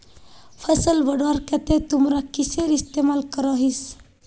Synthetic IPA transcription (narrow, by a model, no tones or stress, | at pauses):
fʰəsəlʋəɽʋaɾkat̪et̪umɾakiseɾist̪emalkəɾaɦis